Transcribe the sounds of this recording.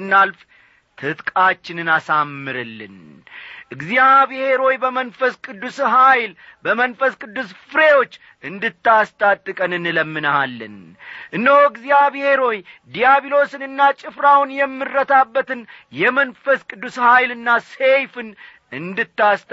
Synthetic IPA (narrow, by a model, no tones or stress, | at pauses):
ɨnːalf | t̪ʰɨt̪kʼat͡ʃːɪnɨnasamːɨɾɨlːɨ̰n | ʔɨɡzjaβhe̞ɾo̞jbəmənfəskʼɨd̪ːusɦajlbəmənfəskʼɨd̪ːusfɨɾe̞wo̞t͡ʃː | ʔɨnd̪ɨt̪ːast̪ʼat̪ʼːɨkʼənɨnləmːɨnəhalːɨ̰n | ʔɨnːəwɨɡzjaβhe̞ɾo̞jd̪ijaβilo̞sɨnɨnːat͡ʃʼɪfɾawnjɛmːɨrːət̪ʰabːət̪ɨnjɛmənfəskʼɨd̪ːushajlɨnːasejfɨn | ɨnd̪ɨt̪ːast̪